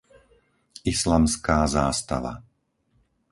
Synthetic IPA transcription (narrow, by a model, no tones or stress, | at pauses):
islamskaːzaːst̪a̰ʋa̰